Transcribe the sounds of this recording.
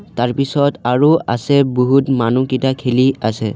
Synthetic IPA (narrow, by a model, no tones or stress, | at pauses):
taɹpisɔtaɹua̰sɛboɦutmanukitakʰeliasɛ̰